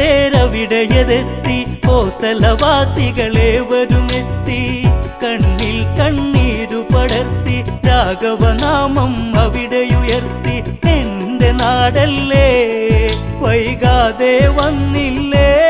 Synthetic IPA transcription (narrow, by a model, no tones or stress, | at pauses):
eːɾɐʋiɽɐjɐðet̪ːi | poːsɐlɐʋaːt̪iɣɐɭeːʋɐɾumet̪ːikɐɳːilkɐɳːiːɾupɐɽɐɾt̪ːiɾaːɡɐʋɐnaːmɐmɐʋiɽɐjujɐɾt̪i | en | d̪enaːɽɐlːeː | ʋɐjɣaːðeːʋɐnːilːeː